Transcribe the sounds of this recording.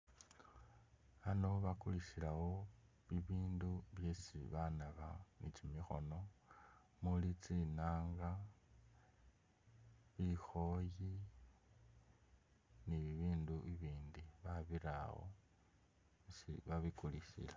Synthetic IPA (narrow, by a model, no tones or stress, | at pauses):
βano̞βakuliʃiɾaɣo̞ | βiβiːnduβje̞siβanaβanit͡ʃimixo̞̰no̞ | mulit͡sinaːŋɡa | βixo̞ji | niβiβiːnduiβiːndiβaβiɾa̰ɣo̰ | siβaβikuliʃḭla